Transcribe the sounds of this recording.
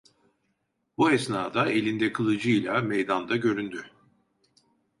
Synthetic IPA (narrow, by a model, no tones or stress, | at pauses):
buɛsnaːd̪aelʲind̪ɛkʰɯlˠɯd͡ʒɯjlʲˠamɛjd̪and̪aɟø̞ɾynd̪y